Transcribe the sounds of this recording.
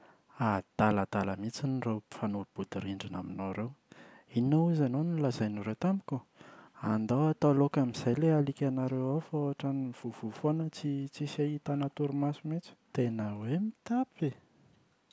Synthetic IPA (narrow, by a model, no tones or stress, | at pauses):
ad̪̥aləd̪̥aləmit͡sinrewfanub̥ud̪iɾiɳɖ͡ʐina̰minoɾewinːoizanonilazajnuɾewt̪amikʲuand̪awat̪alokamiz̥ajlealikʲanaɾewafaoɦaʈ͡ʂanv̥uv̥ufonət͡sit͡sisait̪anat̪uɾumasumit͡ʃi̥t̪enəwemit̪api